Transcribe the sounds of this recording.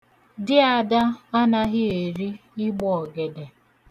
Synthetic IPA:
dɪ˦a˨da˦a˦na˦ɣɪ˦e˨ɾi˦ɪ˦ɡ͡bɔ˨ɔ˨ɡe˨de˨

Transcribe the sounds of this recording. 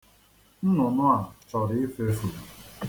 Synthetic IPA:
n̩˦nʊ˨nʊ˦a˨t͡ʃɔ˨ɾɪ˨˦fe˦su˨

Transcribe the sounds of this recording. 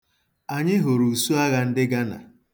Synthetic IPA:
a˨ɲɪ˦ɦo˨ɾu˨su˦a˦ɣa˦n̩˦dɪ˦ɡa˦na̰˨

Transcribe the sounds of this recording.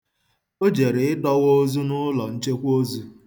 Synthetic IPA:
o˦d͡ʒe˨ɾe˨ɪ˦dɔ˦wo˦zu˦nʊ˦lɔ˨n̩˦t͡ʃe˦kʷo˦zu˦

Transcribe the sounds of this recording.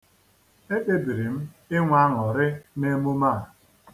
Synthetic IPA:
e˦k͡pe˦bi˨ɾi˨m̩˦ | ɪ˦ŋʷa˦ŋɔ˨ɾɪ˦ne˦mu˦ma˦˨

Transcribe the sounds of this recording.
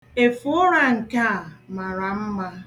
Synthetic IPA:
e˨fʊ˦ʊ˦ɾa˦ŋ̩˨ka˦˨ma˨ɾa˨m̩˦ma˦

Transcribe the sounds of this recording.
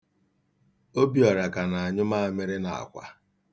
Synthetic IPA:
o˦bi˦ɔ˨ɾa˨ka˨na˨a˨ɲʊ˦ma˦a˨me˦ɾɪ˦na̰˨a̰˨kʷa̰˨

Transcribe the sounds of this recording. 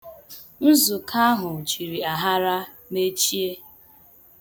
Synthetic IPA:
n̩˦zʊ˨kʰa˦ɦʊ˨t͡ʃi˨ɾi˨a˨ɦa˦ɾa˦ | me˦t͡ʃi˦e˦

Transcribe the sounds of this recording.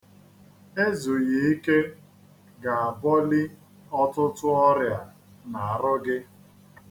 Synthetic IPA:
e˦zo˨je˨i˦ke˦ | ɡa˨a˨bɔ˦lɪ˦ | ɔ˦tʊ˦tʊ˦ɔ˦ɾja˨ | na˨a˨ɾʊ˦ɡɪ˦

